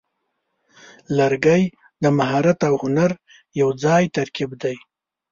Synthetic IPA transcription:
laɾɡəj | d̪əmaɦɑɾat̪awhʊnaɾ | jawd͡zɑjt̪aɾkibd̪aj

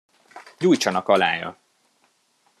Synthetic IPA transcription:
ɟuːjt͡ʃɒnɒkɒla̰ːjɒ̰

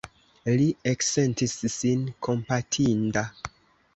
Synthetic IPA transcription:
liekse̞ntisːinkʰo̞mpatʰinda

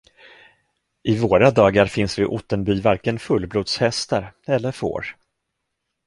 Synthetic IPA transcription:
ʔɪvoːɾad̪ɑːɡaɾfɪnsvɪʔʊt̪ːənbyːvaɾkənfɵlːbluːd̪shɛst̪aɾɛlːəɾfo̰ːɾ

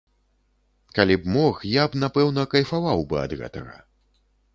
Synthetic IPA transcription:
kalʲibmɔxjabnapɛwnɐkɐjfavawbɨɐ̰d̪ɣɛ̰t̪ɐɣɐ̰

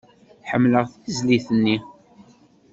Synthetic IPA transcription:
ħəmːləʁθəθəzliθənːi

